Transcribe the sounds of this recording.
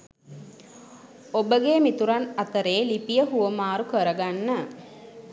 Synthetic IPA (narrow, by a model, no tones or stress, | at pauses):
obəɡeːmit̪uɾanat̪əɾeːlipijəɦuʋəmaːɾukəɾəɡanːə